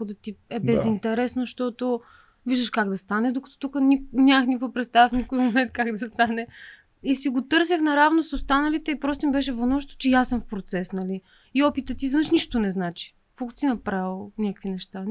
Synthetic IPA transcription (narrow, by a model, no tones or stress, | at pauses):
od̪ɐt̪iɛbbɛzint̪ɛɾɛsnoʃt̪ɔt̪oʊ | viʒd̪əʃkaɡd̪ɐst̪anɛd̪okɐ̥t̪ɔ̥t̪ukənʲinʲaxnʲipəpɾɛt̪st̪avifnʲikojmomɛnt̪̚kaɡd̪ɐst̪anɛ | isiɡot̪ɤɾs̬əxnɐɾavnosost̪anɐlit̪ɛipɾɔst̪omibɛʃ̬ɛvɐnɔʃt̪o̥t͡ʃɛjasːɤmfpɾot̪sɛsnɐli | iɔpit̪ət̪izvnʃniʃt̪onɛznat͡ʃi̥ | kɔkt̪sinɐpɾavilˠnʲakə̥kvinɛʃt̪a